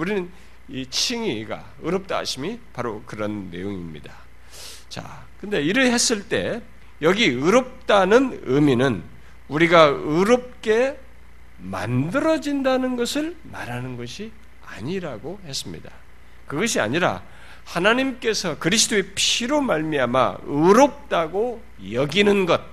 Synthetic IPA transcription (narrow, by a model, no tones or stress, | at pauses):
uɾinɯn | it͡ɕʰiŋiɡa̰ | ɯɾʌp̚t͈a̰ɕʰimipaɾokɯɾʌnːe̞̰joŋḭmɲḭda | t͡ɕa̰ | kɯnde̞iɾɯɭhe̞s͈ɯɭt͈e̞̰ | jʌɡiɯɾʌp̚t͈anɯnɯminɯn | uɾiɡaɯɾop̚k͈e̞ | ma̰ndɯɾʌd͡ʑindanɯnɡʌsʰɯɭma̰ɾanɯnɡʌɕʰi | a̰ɲiɾaɡohe̞s͈ɯmɲḭda | kɯɡʌɕ̬ʰia̰ɲiɾa̰ | hanaɲimk͈e̞sʰʌkɯɾisʰɯ̥dʰoepʰiɾomaɭmiama̰ɯɾop̚t͈aɡo | jʌɡinɯnɡʌt̚